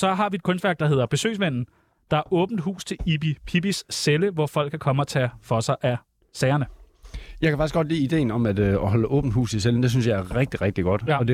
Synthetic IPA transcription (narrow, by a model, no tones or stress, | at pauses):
sɒ̽ɦɑ̈ʋie̝d̥̚kʰɔ̽nsd̥ʋæɐɡ̥̚d̥ɑɦe̝ðˠɐb̥e̝sø̰ːs̬ʋen̰n̩ | d̥ɑ̈æɐʔɔ̽ːb̥n̩d̥ɦṵːst͡sʰe̝lib̥ipʰib̥isːeləʋɒfɒ̽l̰ɡ̥kʰækʰɒ̽məɒ̽t͡sʰɛfɒ̽sɑ̈ɪʔæ | sɛːɐnə | jɑ̈ɪkʰæfɑɡ̥isɡ̥ɒ̽d̥lḭːid̥e̝̰ːn̩ɒ̽mæd̥øɒɦɒ̽ləʔɔ̽ːb̥n̩d̥hṵːst͡sʰeseln̩d̥e̝synsjɑ̈ɪæɐʁeɡ̥̚d̥iʁɛɡ̥̚d̥iɡ̥ɒ̽d̥ɒ̽de